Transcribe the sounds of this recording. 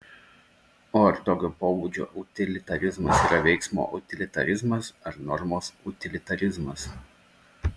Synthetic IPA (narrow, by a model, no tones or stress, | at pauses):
oːɐɾt̪oːkʲoːpoːbuːd͡ʒʲo̰ːʔʊt̪ʲɪlʲɪt̪ɐɾʲɪzmɐsiːɾɐʋʲɛɪksmo̰ːʔʊt̪ʲɪlʲɪt̪ɐ̰ɾʲɪzmɐsɐɾnɔɾmoːsʊt̪ʲɪlʲɪt̪ɐɾʲɪzmɐs